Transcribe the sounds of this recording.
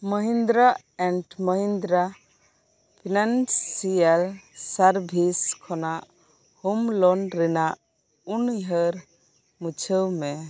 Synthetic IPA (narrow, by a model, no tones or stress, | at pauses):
məɦind̪ɾa | ɛɳʈməɦind̪ɾa | pʰinansialsaɾbʱiskʰɔnaʔ | humlɔnɾinaʔ | unjɦəɾ | mut͡ʃʰəwmɛ